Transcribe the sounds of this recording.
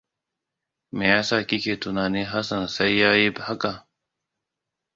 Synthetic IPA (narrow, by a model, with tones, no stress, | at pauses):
mɪ˨a˦saː˦ki˦ke˨tu˨naː˨ni˦ɦa˦sa˨nsa˦jːaː˦ji˦bha˦ka˨